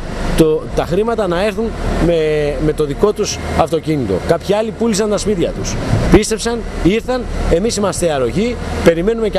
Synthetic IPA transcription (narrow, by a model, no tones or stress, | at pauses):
t̪ot̪ɐxɾimɐt̪ɐnɐe̞ɾθunmeme̞t̪o̞ðiko̞t̪usɐft̪o̞cinit̪o̞̰kɐpçiɐlipulisɐnt̪ɐspit̪ɐt̪uspist̪e̞psɐniɾθɐne̞misimɐst̪eɐɾo̞ʝipe̞ɾime̞nume̞c